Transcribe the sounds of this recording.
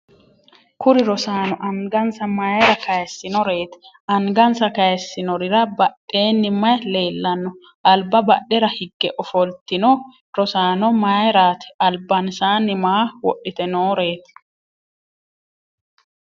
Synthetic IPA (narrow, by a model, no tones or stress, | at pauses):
kʊɾɪɾɔsaːnɔʔɐŋɡɐnsɐmaːjɾɐkɐjɛsːɪnɔɾe̞ːt̪ɪ | ɐŋɡɐnsɐkɐjɛsːɪnɔɾɪɾɐbɐɗːe̞ːnːɪmːɐjle̞ːlːɐnːɔ | ʔɐlbːɐbɐɗɛɾɐhɪɡːɛʔɔfɔlt̪ɪnɔ | ɾɔsaːnɔmaːjɾaːt̪ɪ̥ɐlbɐnsaːnːɪmaːwɔ̰ʔːɪt̪ɛnoːɾe̞ːt̪